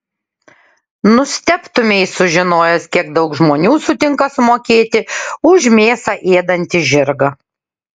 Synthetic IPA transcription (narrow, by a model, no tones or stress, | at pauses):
nʊsʲt̪ʲɛpt̪ʊmʲɛɪsʊʒʲɪnoːjɛskʲiɛɡ̚d̪ɒʊkʒmoːnʲuːsʊt̪ʲɪŋkɐsʊmoːkʲeːt̪ʲɪʊʒʲmʲeːsɑʔeːd̪ɐnʲt̪ʲɪʒʲɪɾɡɐ